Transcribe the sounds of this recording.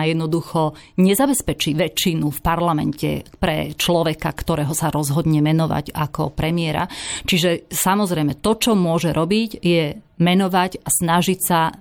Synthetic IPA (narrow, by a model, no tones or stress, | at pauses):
jɛd̪nɔd̪uxɔ | ɲɛzabɛspɛt͡ʃiʋɛt͡ʃːinufpaɾlamɛ̰ncɛ̰pɾɛ̰t͡ʃlɔʋɛkakt̪ɔɾɛːɦɔsaɾɔzɦɔd̪ɲɛmɛnɔʋa̰ɟakɔ̰pɾɛmiɛɾa̰t͡ʃiʒɛsamɔzɾɛjmɛt̪ɔt͡ʃɔmʊɔʒɛɾʔɔbicjɛ | mɛnɔʋaɟasnaʒicsa